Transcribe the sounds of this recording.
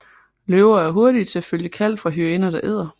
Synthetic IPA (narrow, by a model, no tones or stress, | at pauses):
løʊɐæɐɦo̝ɐɾit͡sʰe̝æføljəkʰæl̰d̥fʁɑ̈ɦyenɐd̥ɑ̈ʔeð̞̰ˠɐ